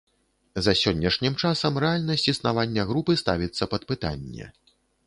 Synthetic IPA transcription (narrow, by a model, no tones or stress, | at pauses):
zɐsʲɔnʲːɐʂnʲimt͡ʂasɐmrɛalʲnɐsʲt͡sʲisnavanʲːɐɣɾupɨst̪avʲit̪sːɐpɐt̪̚pɨt̪a̰nʲːɛ̰